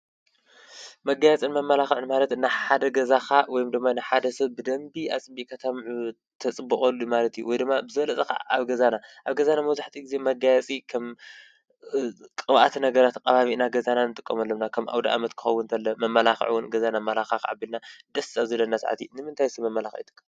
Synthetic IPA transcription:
mɐɡajɛt͡sʼɨnmɐmːɐlaxɨʕɨnmalɐt̪ɨnaħad̪ɐɡɐzaxawɔjumd̪ɨmːanaħad̪ɐsɐβbɨd̪ɐmbiʔa̰t͡sʼɨbːiʔkʰɐt̪ʰamʕu | t̪ʰɐt͡sʼɨbːɨxʼɐlːumalɐt̪juwɔjd̪ɨmːabɨzɨβɐlɐt͡sʼɐka̰aβɡɐzanaʔaβɡɐzanamɐwzaħt̪ʰiɡizemɐɡajɛt͡sʼikʰɐm | kʼɨβa̰t̪ʰnɐɡɐɾat̪kʼːɐβaβiʔnaɡɐzananɨt̪ʼɨkʼːɐmɐlːɐmnakʰɐmʔa̰wd̪aʔa̰mɐt̪kʰɨ̥xɐwːʊnt̪ʰɐlːɐmɐmːɐlaxʕ̰wʊnɡɐzanamɐlaxaka̰ʕa̰bːilnad̪ɐst̪ʰazɨlɐnːasa̰ʕa̰t̪ʰinɨmɨnt̪ʰajsɐmɐmːɐlaxʕit̪ʰɨ̥kːa

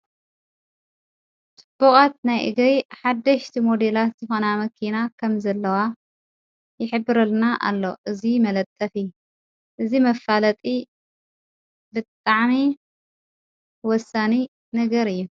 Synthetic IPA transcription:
t͡sʼɨbːukʼat̪̚najʔɨ̰ɡɾiħad̪ːɐʃt̪ʰimod̪elat̪zɨxo̞namɐkʰinakʰɐmzɐlːɐwa | jɪħɨbːɨɾɐlnaʔa̰lːo̞̰ʔɨzimɐlɐt̪ʼːɐfi | ʔɨzimɐfalɐt̪ʼi | bɨt̪ʼaʕmi | wɔsːani | nɐɡɐɾɨjːu

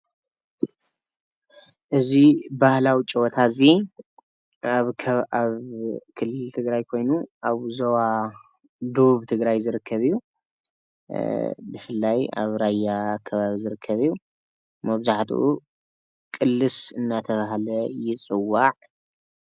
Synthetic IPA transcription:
ʔɨzibahlawit͡ʃʼɛwɔt̪ʰazi | aβʰaβkʰɨlːɨlt̪ʰɨɡɾajkʰo̞jnuʔaβzɐwa | d̪uβuβt̪ʰɨɡɾajzɨɾɨkʰːɐβijːu | bɨfɨlːaja̰βɾajːakʰːɐβaβizɨɾɨkʰːɐβijːu | mɐβzaħt̪ʰṵʔu | kʼɨlːɨsɨnːat̪ʰɐβaɦlɐjɪt͡sʼɨwːaʕ

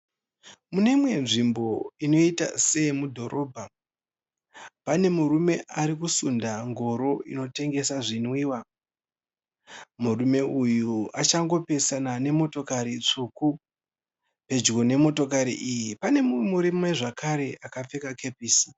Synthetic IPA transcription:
mune̞imwe̞nʐimbo̞ino̞ita̰se̞mudʱo̞ɾʔo̞ːbʱa | pane̞murume̞ʔaɾikusundaŋɡo̞ɾo̞ḭno̞te̞ŋɡe̞saʐinwiːwa | murume̞ujuat͡ʃaŋɡo̞pe̞sanane̞mo̞to̞kaɾit͡ʂuːku | pe̞d͡ʒɡo̞ne̞mo̞to̞kaɾḭʔijipane̞mumuɾimeʐakaɾe̞ʔakap͡fe̞kakʰe̞piːsi̥

